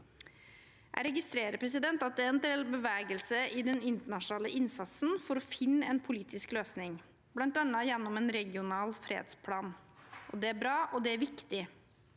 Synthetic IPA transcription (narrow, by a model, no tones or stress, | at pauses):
æ̰ɾɛɡɪst̪ɾeːɾəpʰɾɛs̬ɪd̪ɛnt̪ɑt̪̚d̪ɛæɾɛnd̪ɛlbəʋæːɡəlsəʔɪd̪ɛnɪnt̪əɳɑʂnɑːləʔɪnsɑt̪sn̩fɔɾɔfɪnːəɛːnpʰʊliːt̪ɪskløːsnɪŋ | b̥lɑnt̪ɑnːəjɛnːɔmɛːnɾɛɡɪʊnɑːlfɾḛːd̪spʰlɑːnʔɔd̪ɛæɾbɾɑːʔɔd̪ɛæɾʋɪkt̪ɪ